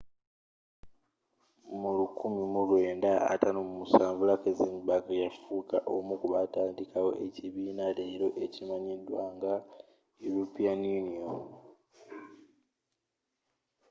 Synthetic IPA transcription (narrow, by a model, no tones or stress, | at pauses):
mulukumimulwe̞ːndaa̰tanomumusaːɱvulakezimbakajafuːka̰ʔomukuβataːndikawo̞̰ʔe̞ciβiːnaleɾo̞ʔe̞cimaɲidwaːŋɡa | ilupianjunio